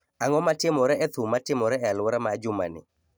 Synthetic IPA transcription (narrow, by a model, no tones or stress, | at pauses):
aŋɔmatɪmɔɾɛɛt̪ʊmatɪmɔɾɛɛalwɔɾamad͡ʒʊma̰nɪ̰